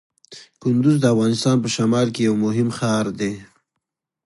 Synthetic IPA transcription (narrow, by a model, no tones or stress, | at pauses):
kʊnd̪ʊzd̪əafɣɑnɪst̪ɑnpəʃamɑlkejawmʊɦɪmxɑɾd̪e